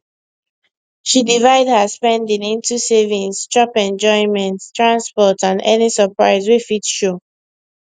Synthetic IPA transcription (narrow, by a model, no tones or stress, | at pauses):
ʃidivaɪdhaspɛ̃ndĩnĩntusevĩŋst͡ʃɔpɛ̃nd͡ʒɔ̃ɪ̃nmɛ̃ntstɹãnspɔtãndɛ̰nisəpɹaɪswefitʃo